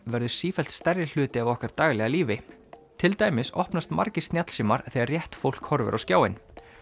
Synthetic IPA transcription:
vɛɾðʏ̥siːfɛl̥t̪st̪ɛɾjɪl̥ʏːt̪ɪavɔhkaɾ̥t̪aːɣlɛɣaliːvɪ | t̪ʰɪlt̪aːjmɪsɔ̰hpnast̪ma̰ɾcɪst̪njat̪l̥siːmaɾ̥θɛɣaɾrjɛht̪fowl̥khɔɾvʏ̰ɾʔawscjaːwɪn

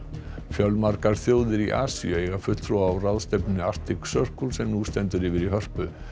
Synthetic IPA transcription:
fjœlmaɾkaɾ̥θjoːwðɪɾiʔa̰ːsḭœejɣafʏt̪θʰɾuaaːwraðst̪ɛpnɪar̥t̪ɪksœr̥kulsɛmnust̪ɛnt̪ʏɾɪːvɪɾiɦœr̥pʏ

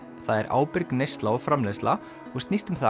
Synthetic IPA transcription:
θaðɛɾʔa̰ːwpɪɾknejst̪laɔɣfɾamlestla | ɔɣst̪nist̪ʏmθa

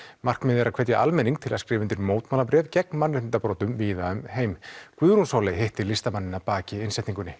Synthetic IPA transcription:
mar̥kmɛðɛɾaðkʰvɛt̪jaʔalmɛniŋk̚t̪ʰɪlaskɾɪːvʏnt̪ɪɾmoːwt̪maːlapɾɛːvcɛknmanrɪɪnt̪apɾoːt̪ʏmviːðaʏmheːjmkʰvʏːðɾunsaːwlɛjɦeht̪ɪlɪst̪amanːɪnːapaːcɪɪnsɛht̪niŋkʏnːɪ

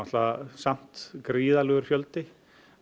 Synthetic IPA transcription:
at̪lasam̥t̪kɾiːðalœːɣʏɾ̥fjœlt̪ɪ

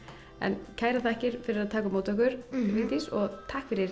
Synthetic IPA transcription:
ɛ̰ncʰaːjɾaθahcɪɾ̥fɪɾɪɾaðt̪ʰaːkʏmoːwt̪ɔkʏɾ̥liːt̪isɔɣt̪ʰaːhkfɪɾjɛɾ

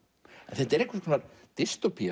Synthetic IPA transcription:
ɛnθɛt̪ɛɾehkvaskʰɔnaɾ | t̪ɪst̪opʰi

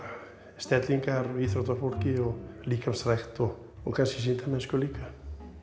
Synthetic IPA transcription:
st̪ɛt̪liŋkaɾiθɾot̪afoɾkiolikamsrɛkt̪o | okansis̬int̪amɛskolika

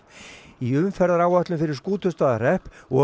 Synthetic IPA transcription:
iʏmfɛɾðaɾaːwaht̪lʏmfɪɾɪɾ̥skuːt̪ʰʏst̪aːðarɛhpɔ

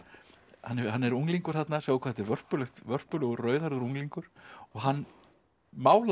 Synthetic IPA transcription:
hanːhanːɛɾuŋliŋkʏɾ̥θat̪nasaːwkʰaθɛt̪ɛɾvœr̥pʏlɛxt̪vœr̥pʏlʏɣʏrœːɥðaɾðʏɾuŋliŋkʏɾ̥ɔɣɦanː | maːwl

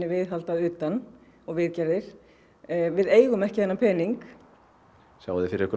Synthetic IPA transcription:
ɪvɪðɦalt̪aðʏːt̪an | ɔɣvɪðcɛɾðɪɾ̥ | vɪðeːjɣʏmɛhcɪθɛnːapʰɛːniŋk | sjaːwðɪfɪɾɪɾɛhkʏɾ

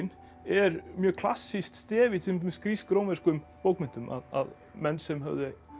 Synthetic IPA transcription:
n | ɛɾmjœːkʰl̥a̰sːist̪st̪ɛːvɪt̪ʰɪmskɾiskɾoːwnvɛɾskʏmpowkmɛn̥t̪ʏmʔa̰ða̰ð | mɛnːsɛmɦœ̰vðɪ

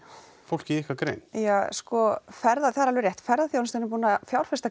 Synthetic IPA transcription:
fowl̥cɪihkvakɾḛːjnjaːskɔfɛɾðaθaðaɾalvɪɾjɛjht̪fɛɾðaθjownst̪ɛnʏmpuːnafjaːwɾ̥fɛst̪a

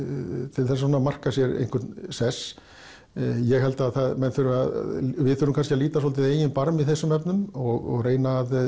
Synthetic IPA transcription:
t̪ʰɪlθɛs̬asɔnamar̥kasjɛɾḛjŋkʰʏt̪nsɛs | jɛɣɦɛlt̪aðθaðmɛnθʏɾʏað̰vɪðθʏɾʏmkʰanscɪaðliːt̪as̬olt̪ɪðeːjɪnpaɾmiθɛsːʏmɛpnʏmɔɣɔɣreːjnaːð

